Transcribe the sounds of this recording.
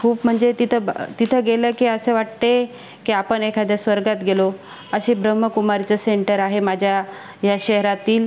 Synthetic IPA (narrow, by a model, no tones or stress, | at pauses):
kʰuːpm̤əɳd͡zet̪it̪ʰət̪it̪ʰəɡeləkiːəseʋaʈt̪e | kiapəɳekʰad̪ʱjasʋəɾɡat̪ɡʱelo | əɕibɾəm̤ːəkumaɾt͡səseɳʈəɾaɦemad͡ʑʱja | jaɕeɦɾat̪iːl